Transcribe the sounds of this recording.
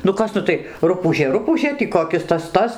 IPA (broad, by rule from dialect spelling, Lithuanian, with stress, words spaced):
nʊ ˈkɐs ˈnʊ tɐɪ ˈrʊpuːʒʲeː ˈrʊpuːʒʲeː tʲiː koːˈkʲɪs ˈtɐs ˈtɐs